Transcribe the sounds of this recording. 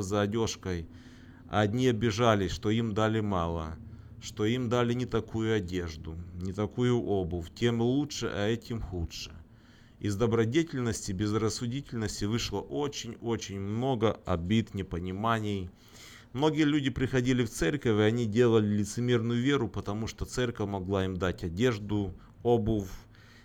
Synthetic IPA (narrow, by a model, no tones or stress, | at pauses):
zɐːdʲo̞ʂkəj | ɐ̰ɐdʲnʲiɐbʲɪʐalʲɪʂt̪o̞imd̪alʲɪmɑlˠə̰ʂt̪o̞imd̪alʲɪnʲɪt̪ɐkʰujʊɐdʲe̞ʐd̪ʊnʲɪt̪ɐkujʊʔo̞bʊftʲe̞mɨlˠutʂɨ̰ʔɐɛtʲɪmxutʂɨ̥̰ | ɪzd̪ɐbɾɐdʲetʲɪlʲnəsʲtʲɪbʲɪzrəsːʊdʲitʲɪlʲnəsʲtʲɪvɨʂlˠəʔo̞t͡ɕɪnʲo̞t͡ɕɪnʲmno̞ɡəɐ̰bʲit̪nʲɪpənʲɪmanʲɪj | mno̞ɡʲɪjəlʲudʲɪpɾʲɪxɐdʲilʲɪft̪sɛrkəvʲɪɐnʲidʲe̞lˠəlʲɪlʲɪt̪sɨmʲe̞rnʊjʊvʲe̞ɾʊpət̪ɐmuʂt̪ot̪sɛrʲkəfʲmɐɡlˠaimd̪atʲɐdʲe̞ʐd̪ʊ | obɨf